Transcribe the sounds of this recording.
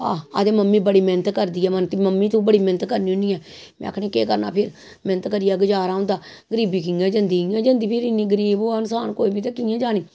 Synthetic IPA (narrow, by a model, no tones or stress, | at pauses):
aːəd̪ẽːməmːiːbəɽiːmɛnət̪kəɾd̪iːɛːmənt̪iməmːĩːt̪ũːbəɽiːmɛnət̪kəɾnĩːʊniːɛːmɛ̰̃ːa̰kʰɽẽːkḛːkəɾna̰ːpʰɪɾ | mɛnət̪kəɾiːɛːɡəd͡ʒaːɾaːʊ̃nd̪aːɡəɾiːbiːk̬ɪĩãːd͡ʒənd̪iːiãːd͡ʒənd̪iːpʰɪɾɪnĩːɡəɾiːboːənsaːnkoːiːbiːt̪eːkiːãːd͡ʒaːniː